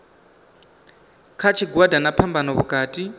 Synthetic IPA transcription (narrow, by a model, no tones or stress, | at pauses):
kʰat͡ʃʰiɡwadʱanapʰambanɔβukʼaːtʼi